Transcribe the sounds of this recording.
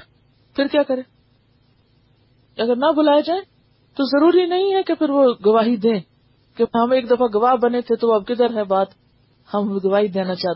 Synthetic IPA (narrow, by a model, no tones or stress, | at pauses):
pʰɪɾkjaːkəɾẽː | ɐɡəɾnabʊlaːjed͡ʒaːẽː | t̪ozəɾuːɾinɐɦĩɦɛkepʰɪɾʋoːɡɐʋaːɦid̪ẽː | keɦəmeːkd̪ɐfaɡɐʋaːɦbənet̪ʰet̪oɐbkɪd̪əɾɦɛbaːt̪ | həmɡɐʋaːɦid̪eːnat͡ʃaːt̪